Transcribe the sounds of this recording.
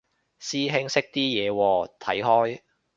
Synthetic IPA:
siː˥ɦɪ˥ŋsɪ˥k̚t̪iː˥jɛː˨˧wɔː˧t̪ʰɐ̰˨˥jɦɔː˥j

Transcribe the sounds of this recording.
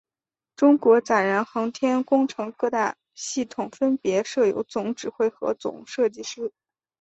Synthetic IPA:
ʈ͡ʂʊ˥ŋkwɔ˧˥t͡sa˨˩nɻa˧˥nxɤ˧˥ŋt̪ʰjɛ˥nkʊ˥ŋʈ͡ʂʰɤ˧˥ŋkɤ˥˧t̪a˥˧ | ɕi˥˩t̪ʰʊ˨˩ŋfə˥npjɛ˧˥ʂɤ˥˩jo˧˥ʊt͡sʊ˧˥ŋʈ͡ʂɻ̩˨˩xwe˥˩ɪxɤ̰˧˥t͡sʊ̰˨˩˦ŋʂɤ˥˧t͡ɕi˥˧ʂɻ̩˥˩

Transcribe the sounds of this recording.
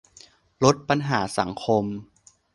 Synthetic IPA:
lo˦˥t̪̚pa˧nɦaː˩˦sa˩˦ŋkʰo˧m

